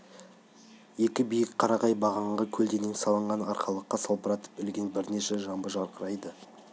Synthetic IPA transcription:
je̞kʲɪbijɪkqʰɑɾɑʁɑjbɑʁɑɴʁɑkʲʰɵld̪e̞nensɑlˠəɴʁɑnɑɾqɑlˠəqːɑsɑlˠpəɾɑt̪ə̥p̚bɪlɡʲenbɪɾne̞ʃe̞ʒɑmbəʒɑɾqəɾɑjd̪ə

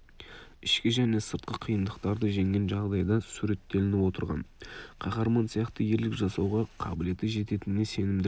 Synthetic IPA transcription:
ɪʃkʲɪʒæne̞səɾt̪qəqʰijənd̪əqt̪ɑɾd̪əʒe̞ŋɡʲe̞nʒɑʁd̪ɑjd̪ɑsuɾe̞t̪ːe̞lɪnɪpwo̞t̪əɾʁɑ̰nqʰɑχɑɾmɑnsijɑqt̪əje̞ɾlɪkʒɑsɑwʁɑqʰɑ̰bɪle̞t̪ɪʒe̞t̪e̞t̪ɪnɪnːese̞nɪmd̪ɪ

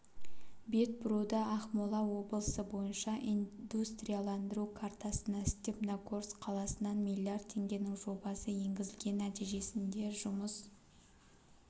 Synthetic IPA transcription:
be̞t̪̚bʊɾud̪ɑɑχmolˠɑwo̞bəlˠəsəbo̞jənʃɑʔind̪ust̪rʲijalˠɑnd̪əɾukʰart̪ɑsənɑst̪ʲepnakʰorsqʰɑlˠɑsənɑnmilʲˠiard̪̚ʰe̞ŋɡʲe̞nɪŋʒo̞bɑsəje̞ŋɡʲɪzɪlɡʲe̞nːæt̪ijʒe̞sɪnd̪e̞ʒʊməs

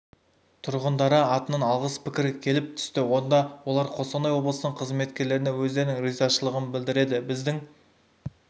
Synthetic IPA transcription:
t̪ʰʊɾʁənd̪ɑɾəɑt̪ənənɑlˠʁəspʰɪkʲɪɾkʲʰe̞lɪp̚t̪ʰʏ̥st̪ɪwo̞nd̪ɑwo̞lˠɑɾqʰo̞sɑnɑjwo̞blˠəsənəɴqʰəzme̞t̪kʲe̞ɾle̞ɾɪnewɵzd̪e̞ɾɪnɪŋrijzɑʃəlˠəʁənbɪld̪ɪɾe̞d̪ɪbɪzd̪ɪŋ

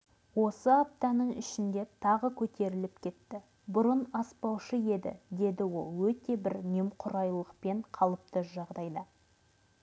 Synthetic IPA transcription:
wo̞səap̚t̪ɑnəɴɪ̰ʃɪnd̪e̞t̪ʰɑʁəkʲʰɵt̪e̞ɾɪlɪp̚kʲʰe̞t̪ːɪ | bʊɾənɑspɑwʃəe̞d̪ɪ̰d̪e̞d̪ɪwo̞lˠwɵt̪e̞bɪɾnʲemqʰʊɾɑjlˠəqpe̞ɴqʰɑlˠəp̚t̪əʒɑʁd̪ɑjd̪ə

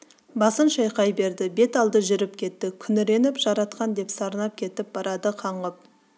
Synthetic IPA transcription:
bɑsənʃɑjqɑjbe̞ɾd̪ɪbe̞t̪ɑlˠd̪əʒʏɾɪp̚kʲʰe̞t̪ːɪkʲʰʏnɪɾe̞nɪpʒ̥ɑɾɑt̪qɑnd̪e̞psɑɾənɑp̚kʲʰe̞t̪ɪp̚b̥ɑɾɑd̪əqʰɑɴʁəp̚

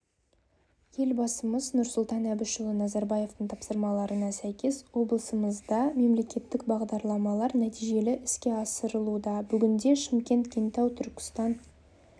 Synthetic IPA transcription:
je̞lbɑsəməznʊɾsʊlˠt̪ɑnæbɪʃʊlˠənɑzɑɾbɑje̞ft̪əɴt̪ʰɑpsəɾmɑlˠɑɾənɑsæjkʲe̞swo̞blˠəsəməzd̪ɑme̞mle̞kʲe̞t̪ːɪkbɑʁd̪ɑɾlˠɑmɑlˠɑɾnæt̪ijʒe̞lɪʔɪskʲe̞ɑsəɾəlˠud̪ɑbʏɡʲɪnd̪e̞ʃɪmkʲe̞nt̪kʲʰent̪ɑwt̪ʰʏɾkʲɪ̥st̪ɑn

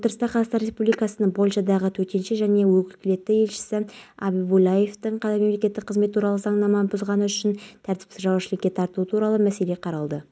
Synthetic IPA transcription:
wot̪əɾəst̪ɑqʰɑzɑst̪ɑɾe̞spublijkɑsənəɴbo̞lʲˠʃɑd̪ɑʁət̪ʰɵt̪e̞nʃeʒæne̞wɵkʲɪlkʲɪle̞t̪ːɪje̞lʃɪ̥sɪɑbijbulˠɑje̞ft̪ɪɴqʰɑt̪ɑme̞mle̞kʲe̞t̪ːɪk̚qʰːəzme̞t̪ʰːuɾɑlˠəzɑŋnɑmɑnbozʁɑnəʏʃɪnt̪ʰæɾt̪ɪ̥psɪʒɑwɑʃɪlkʲːe̞t̪ʰɑɾt̪əlˠuət̪ʰuɾɑlˠəmæse̞le̞qʰɑɾɑlˠd̪ə

